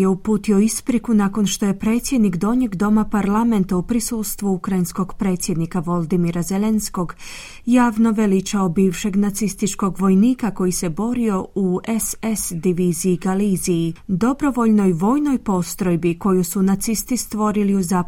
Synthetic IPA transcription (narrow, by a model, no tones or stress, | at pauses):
jeupuːt̪io̞ispɾikunako̞nʃt̪o̞je̞pɾe̞ːt̪sje̞d̪nikd̪o̞ɲe̞ɡd̪o̞mapaɾlˠame̞nt̪aupɾisuːst̪ʋuukɾainsko̞ɡpɾe̞ːt̪sʲje̞d̪nikaʋo̞lˠd̪imiɾaze̞le̞nsko̞ɡ | jaːʋno̞ʋe̞lit͡ʃaobiːʋʃe̞ɡnat̪sist̪it͡ʃko̞ɡʋo̞jniːkako̞jise̞bo̞ɾio̞uesesd̪iʋiːziːɡaliːziid̪o̞bɾo̞ʋo̞ʎno̞jʋo̞ːjno̞jpo̞st̪ɾo̞jbiko̞jusunat̪sist̪ist̪ʋo̞ɾiliuzaː